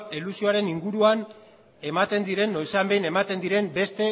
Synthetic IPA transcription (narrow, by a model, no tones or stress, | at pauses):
elusio̞aɾe̞niŋɡuɾuan | e̞mat̪e̞nd̪iɾe̞nːo̞jseambe̞jne̞mat̪e̞nd̪iɾe̞mbe̞st̪e̞